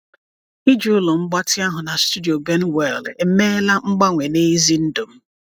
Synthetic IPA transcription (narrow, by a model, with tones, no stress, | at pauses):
i˦d͡ʒu˨˦ʊ˦lo˨ŋ͡m̩˦ɡ͡ba˦tɪ˦a˦ɦʊ˨na˨stu˦di˨o˨ɡe˦n˦we˦˨le˦me˦la˦ŋ͡m̩˦ɡ͡ba˦ŋʷe˨ne˦i˦zi˦n̩˦do˨m̩˦